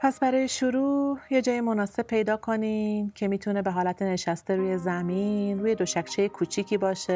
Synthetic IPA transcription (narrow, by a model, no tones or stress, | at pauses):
pʰæsbæɾɒːjeʃuɾuːje̞d͡ʒɒːjemo̞nɒːse̞b̚pʰːe̞jd̪ɒːkʰo̞nimcʰe̞miːt̪ʰune̞be̞ɦɒːlæt̪ʰe̞ne̞ʃæst̪eɾuːje̞zæminruːje̞d̪o̞ʃækʰt͡ʃʰe̞jekʰuːt͡ʃʰiːcʰiːbɒːʃe̞